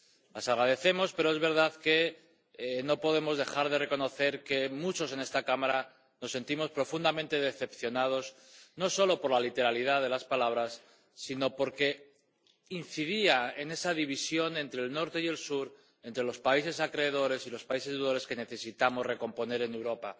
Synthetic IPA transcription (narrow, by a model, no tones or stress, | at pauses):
lasaɣɾað̞e̞θe̞mo̞spe̞ɾo̞e̞zβe̞ɾð̞aðke̞ | no̞po̞ðe̞mo̞zðe̞xaɾð̞e̞re̞ko̞no̞θe̞ɾke̞mut͡ʃo̞s̬e̞ne̞st̪akamaɾa | no̞sːe̞nt̪imo̞spɾo̞fund̪amẽnt̪e̞ðeθe̞pθjo̞nað̞o̞z | no̞so̞lo̞po̞ɾlalit̪e̞ɾalið̞aðe̞laspalaβ̞ɾasː | ino̞po̞ɾke̞ | inθið̞iaene̞sað̞iβ̞isjo̞nẽ̞nt̪ɾeːlno̞ɾt̪e̞je̞lsuɾ | e̞nt̪ɾe̞lo̞spaise̞sakɾe̞ːð̞o̞ɾe̞silo̞spaise̞zðuðoɾe̞ske̞ne̞θe̞sit̪amo̞zre̞ko̞mpo̞ne̞ɾe̞ne̞wɾo̞pa